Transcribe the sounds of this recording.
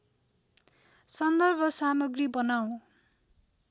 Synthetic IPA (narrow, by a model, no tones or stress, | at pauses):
sʌnd̪ʌrbʱʌsamʌɡribʌnaw̃